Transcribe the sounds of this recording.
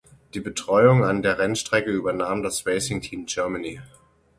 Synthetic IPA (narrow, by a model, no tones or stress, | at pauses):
d̥iːbətʁ̥ɔʏʊŋandeːɐʁɛnʃtʁ̥ɛkəyːbɐnaːmdasv̥esɪŋtʰiːmd͡ʒœɐmani